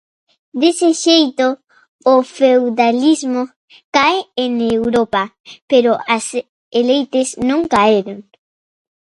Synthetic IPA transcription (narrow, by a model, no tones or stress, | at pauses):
d̪eseʃejt̪oː | fewðalizmo | kaeeŋewɾopa | peɾʊʔas | elejt̪esnõŋkaeɾoŋ